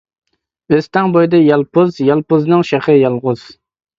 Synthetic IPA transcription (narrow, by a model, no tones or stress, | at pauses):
øst̪ɛŋbojd̪ɛjɑlˠpʊzjɑlˠpʊznɨŋʃeχɨjɑlˠʁʊz̥